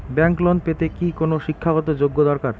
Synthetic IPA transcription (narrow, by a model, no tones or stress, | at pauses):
bɛŋklɔnpet̪ekikonoʃikʰːaɡɔt̪od͡ʑoɡːod̪ɔɾkaɾ